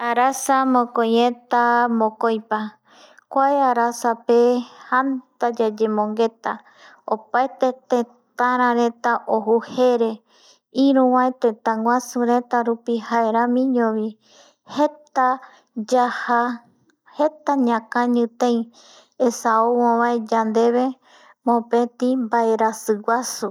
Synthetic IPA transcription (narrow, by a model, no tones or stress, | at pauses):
aɾasamõkojẽt̪amõkojpa | kʷaeaɾasapehant̪ad͡ʒad͡ʒemõŋɡe̞t̪a | opaet̪et̪ẽ | t̪ãɾ̃ãɾet̪aʔoɦuhe̞ɾe̞ | iɾũʋãet̪ẽt̪ãŋwʷasuɾe̞t̪aɾupihae̞ɾãmĩɲõʋi | het̪a | d͡ʒaha | he̞t̪aɲãkãɲɨ̃t̪ẽj̃ | esaowõβãed͡ʒand̪e̞βe̞ | mõpẽt̪ĩmbaeɾasɨwasu